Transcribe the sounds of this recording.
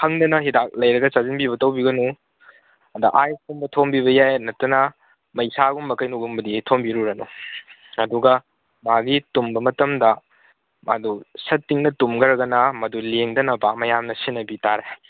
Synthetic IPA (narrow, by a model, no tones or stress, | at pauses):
hɐŋdɐnɐɦidak̚lɐjɾɐɡɐt͡ʃazinbiβɐtɐwbiɡɐnu | ɐdɐ̰ʔajsumbɐtʰombiβɐjajnɐtːɐnɐ | mɐjsaɡumbɐkɐjnuɡumbɐditʰombiɾuɾɐnu | ɐduɡɐ | maɡitumbɐmɐtɐmdɐ | ma̰dusɐtːiŋnɐtumɡɐɾɐɡɐnɐmɐduleŋdɐnɐbamɐjamnɐsinːɐbitaɾe